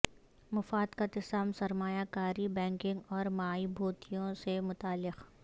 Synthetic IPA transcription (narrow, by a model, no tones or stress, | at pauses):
mɐfaːd̪kat̪ɪsaːmsɐɾmaːjakaːɾibɛ̃ːŋkɪ̃ŋɡɔːɾmaːibʱoːt̪ijõsemʊt̪aːlːɪq